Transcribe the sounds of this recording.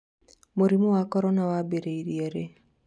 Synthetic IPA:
moɾimuwakɔɾɔnawabeɾeiɾieɾe

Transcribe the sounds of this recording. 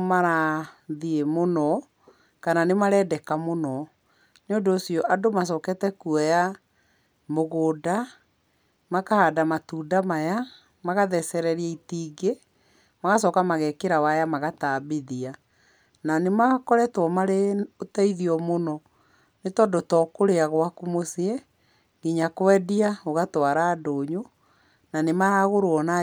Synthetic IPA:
maɾaðiemonɔ | kananemaɾɛːdɛkamonɔ | neodoːsiɔʔadomas̬ɔːkɛtɛkuaja | moɣoːda | makahadamatuːdamaja | maɣaðɛsɛɾɛɾiɛitiːɡe | maɣasɔkamaɣɛkeɾawajamaɣataːbiðia | nanemakɔɾɛtwɔmaɾeotaiðiɔmonɔ | netɔːndotɔːkoɾeaɣwakumosiɛ | ɡiɲakwɛdiaoɣatwaɾaːdoːɲo | nanemajaɣoɾoɔna

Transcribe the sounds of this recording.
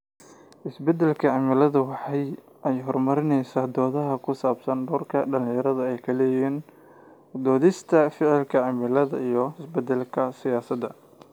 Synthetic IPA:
ʔɪsbɛd̪ɛlkʰɐʕɑmɪlɐðɐwɑħɑj | ʔɛjɦɔrmɐɾɪnɛjsaːd̪ɔːðɐɦɐkʰʊsaːbsɐnɖɔːrkʰɐɖɐlɪjɐɾɐðɐɛjkʰɐlɛːjiːn | d̪ɔːðɪst̪ʰɐfɪʕɪlkʰɐʕɑmɪlɐðɐ̰ijɞɪsbɛd̪ɛlkʰɐsɪjaːsɐd̪ɐ

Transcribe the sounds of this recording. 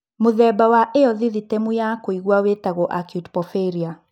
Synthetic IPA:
moðɛbawaʔeɔðiðitɛmujakoiɣwawetaɣɔʔakjutpɔfeɾia

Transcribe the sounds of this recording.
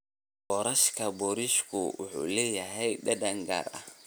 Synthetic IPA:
bɔɾɐʃkʰɐbɔɾiʃkʰʊwʊ̰ħṵlɛːjɐɦɛjɗɐdɐŋɡa̰ːɾɐ̰

